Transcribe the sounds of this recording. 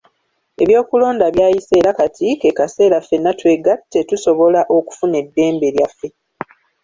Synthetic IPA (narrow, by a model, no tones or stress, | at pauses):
e̞βjo̞ːkulo̞ːndaβjaːjise̞ːɾakatʰike̞kase̞ːɾafːe̞nːatwe̞ɡatːetuso̞βo̞laʔo̞ku̥fune̞dːe̞ːmbe̞ljafːe̞